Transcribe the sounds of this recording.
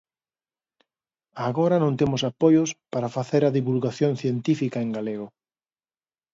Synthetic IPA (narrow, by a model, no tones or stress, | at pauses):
aːɣoɾɐnõnt̪emʊsapojospaɾafaθeɾɐðiβulɣaθjõnθjent̪ifikaeŋɡaleɣʊ